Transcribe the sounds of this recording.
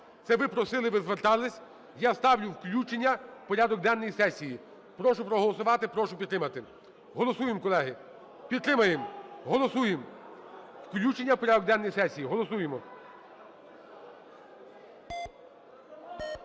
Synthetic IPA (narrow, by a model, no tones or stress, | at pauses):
t̪sɛʋɪpɾɔsɪlˠɪʋɪzʋert̪ɑlˠɪsʲ | jast̪ɑwlʲʊwklʲut͡ʃenʲːɐpɔɾʲad̪ɔk̚d̪ɛnːɔjisɛsʲiji | pɾɔʃʊpɾɔɦɔlˠɔsʊʋɑt̪ɪpɾɔʃʊpʲid̪t̪ɾɪmɐt̪ɪ | ɦɔlˠɔsujɪmkɔlˠɛɦɪ | pʲid̪t̪ːɾɪmɐjemɦɔlˠɔsujem | wklʲut͡ʃenʲːɐpɔɾʲad̪ɔk̚d̪ɛnːɔjisɛsʲijiɦɔlˠɔsujemɔ